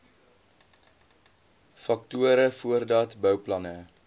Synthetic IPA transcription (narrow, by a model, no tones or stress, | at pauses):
fɐk̚tuəɾəfuərdɐtbœwplɐnə